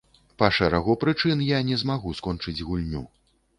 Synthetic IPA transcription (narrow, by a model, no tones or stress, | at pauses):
pɐʂɛɾaɣɔpɾɨt͡ʂɨnjanʲɛzmaɣuskɔnt͡ʂɨd͡zʲɣulʲnʲu